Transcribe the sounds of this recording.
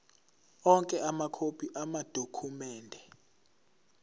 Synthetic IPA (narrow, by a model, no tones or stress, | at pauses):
ɔŋkʼɛʔamakʰopʰʼiʔamad̥ʱokʰumɛːndʱɛ